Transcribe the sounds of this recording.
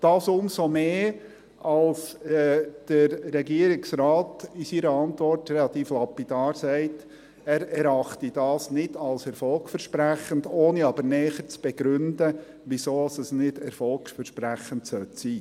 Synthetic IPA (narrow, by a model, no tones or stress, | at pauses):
d̥ɑːsʊmsomeː | ɑlsɛːd̥əɾɾɛɡiəɾɪksraːtisiːɾəɑntʋɔɾtɾɛlɑt̪iːflɑpid̥ɑːɾsɛɪt | æːɾɛɾɑχtid̥ɑːsnɪd̥ɑlsɛɾfɔlksfɛɾʃpɾæχəndoːniɑbəɾnɛːχəɾt͡sb̥ɛɡ̥ɾʉndə | ʋisoːɑsəsnɪd̥ɛɾfɔlksfɛɾʃpɾæχəntsœtsiː